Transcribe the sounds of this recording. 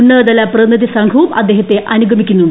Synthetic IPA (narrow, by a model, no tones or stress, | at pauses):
ɳːɐːd̪ɐlɐprɐnɐd̪isɐŋɡʰʱuːpɐ̰d̪ːe̞ːɦɐt̪ːe̞ʔɐnuɡʱɐmikʲːunːuɳɖ